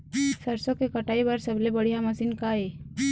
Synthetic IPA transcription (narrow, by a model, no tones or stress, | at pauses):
sɐɾsõkekɐʈaːibɐɾsɐblebɐɽ̤ijamɐsiːnkaeː